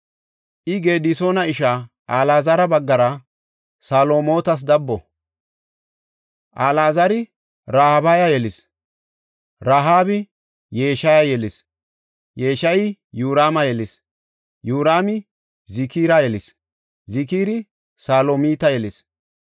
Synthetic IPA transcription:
ʔɪɡe̞ːd̪ɪsoːnɐɪʃa | ʔaːlaːzɐɾɐbɐɡːɐɾɐ | saːlo̞ːmo̞ːt̪ɐs̬d̪ɐbːɔ | ʔaːlaːzɐɾɪ | ɾaːhabɐjɐjɛlɪs | ɾaːɦaːbɪ | je̞ːʃɐjɐjɛlɪs | je̞ːʃɐjɪ | juːɾaːmɐjɛlɪs | juːɾaːmɪ | zɪkiːɾɐjɛlɪs | zɪkiːɾɪ | saːlomiːt̪ɐjɛlɪs

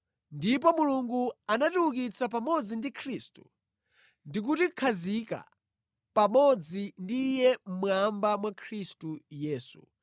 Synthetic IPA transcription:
ndip̬ɔmuluŋɡuanatuwukit͡sap̬amɔd͡zindikʰɾistu | ndik̬uti̥kʰazika̰ | pamɔd͡zindijɛm̩mwambamwakʰɾistujɛːsṵ

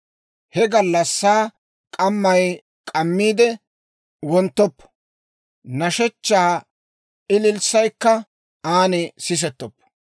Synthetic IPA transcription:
hɛɡɐlːɐsːaː | kʼɐmːɐj | kʼɐmːiːd̪ɛ | wɔnt̪ːɔpːɐ̥ | nɐʃɛt͡ʃːaː | ɪlɪlsɐjkːɐ | aːnɪsɪs̬ɛt̪ːɔpːɐ̥

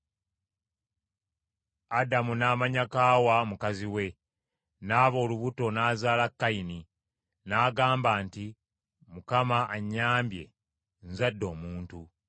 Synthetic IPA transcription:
adamunaːmaɲakaːwamukaziwe̞ | naːβo̞ːluβuto̞naːzaːlakːaini | naːɡaːmbaːnti | mukamaʔaɲːaːmbje̞̰ | nzadːo̞ːmuːntu

